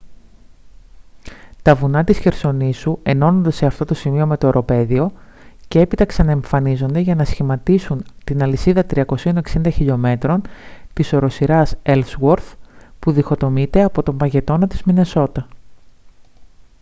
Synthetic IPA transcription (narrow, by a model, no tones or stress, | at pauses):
t̪ɐvunɐt̪isçe̞ɾso̞nisue̞no̞nond̪ɐse̞ɐft̪o̞t̪o̞simio̞me̞t̪oeɾo̞pe̞ðio̞ | ce̞e̞pit̪ɐksɐnɐeɱfɐnizo̞nd̪eʝɐnɐsçimɐt̪isunt̪inɐlisiðɐt̪ɾiɐko̞sio̞ne̞ksind̪ɐçiʎo̞me̞t̪ɾo̞nt̪iso̞ɾo̞siɾɐselswoɾθpuðixo̞t̪o̞mit̪e̞ɐpo̞t̪o̞mbɐʝe̞t̪o̞nɐt̪izmine̞so̞t̪ɐ